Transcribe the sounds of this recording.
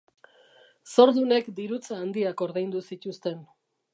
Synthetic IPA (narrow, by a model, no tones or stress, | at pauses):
so̞ɾðune̞kd̪iɾut͡saːnd̪iako̞ɾðejnd̪usit̪ust̪e̞n